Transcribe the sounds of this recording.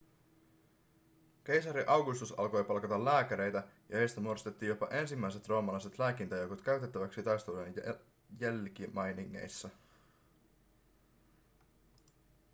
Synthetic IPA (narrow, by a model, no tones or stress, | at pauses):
k̟e̞jsɑɾiʔɑwɡust̪usɑ̰lko̞jpɑlkɑt̪ɑlːæːkæɾe̞jt̪æjɑhejst̪æmuoɾost̪e̞t̪ːiːjopɑʔe̞nsimːæjse̞t̪ro̞ːmɑlɑjse̞t̪læːk̟int̪ɑjokot̪kæɥt̪e̞t̪ːæʋæksit̪ɑjst̪uden | jælk̟imɑjniŋːe̞̰jsːɑ